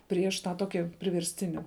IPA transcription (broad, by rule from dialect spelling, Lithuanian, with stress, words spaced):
ˈpʲrʲiɛʃ tɑː ˈtoːkʲɪ pʲrʲɪʋʲɛrʲsʲˈtʲɪnʲɪ